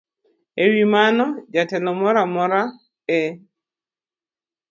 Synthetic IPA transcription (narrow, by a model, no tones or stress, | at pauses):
ewimanɔd͡ʒatɛnɔmɔɾamɔɾa | ɛ